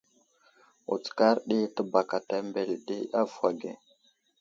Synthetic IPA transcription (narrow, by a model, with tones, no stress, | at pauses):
ṵ˨t͡ska˦ɾɗi˦tə˦ba˨ka˨ta˨mbe˨lɗi˦a˦vwa˨ɡḛ˨